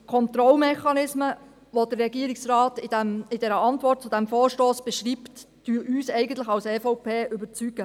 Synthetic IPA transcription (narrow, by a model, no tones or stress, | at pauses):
kʰɔnt̪ɾɔlmɛχɑnɪsmə | ʋod̪ərːɛɡiəɾɪksrɑːtɪdæmɪdɛɾəɑntʋɔrt̚t͡sʊd̥æmfoːɾʃtoːsb̥ɛʃɾiːptː | yːʔyːsɛɪɡəntlɪxɑwsɛːfɔʊpʰeːʔʏbəɾt͡syɡə